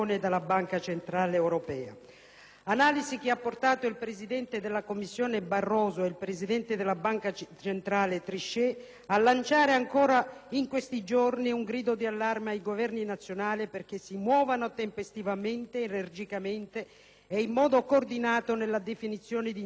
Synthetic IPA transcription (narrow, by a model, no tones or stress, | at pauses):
ned̪alːabaŋkat͡ʃent̪ɾaːleɛwɾopɛːa̰ | anaːlizik̟ɪapːort̪aːt̪oilpɾezid̪ɛnt̪ed̪ɪlːakomːisːjɔːnebarːɔːzoeilpɾezid̪ɛnt̪ed̪elːabaŋkat͡ʃent̪ɾaːlet̪ɾiʃːɛ | alːant͡ʃaːɾeaŋkɔːɾaiŋkwest̪id͡ʒorniuŋɡɾiːd̪od̪ialːarmeaiɡovɛrninat̪sːjonaːliperk̟esːimwɔːvanot̪empest̪ivament̪eːnerd͡ʒikament̪eː | imːɔːd̪okoːrd̪inaːt̪onelːad̪efinit̪sːjɔːnɪd̪i